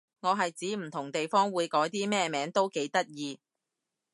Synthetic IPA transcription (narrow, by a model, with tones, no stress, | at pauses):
ŋɔː˨˧ɦɐ˨jt͡siː˨˥m̩˨˩t̪ʰʊ˨˩ŋt̪e˨jfɔː˥ŋwuː˨˧jkɔː˨˥jt̪iː˥mɛː˥mɛː˨˥ŋt̪o˥wke˨˥jt̪ɐ˥t̚jiː˧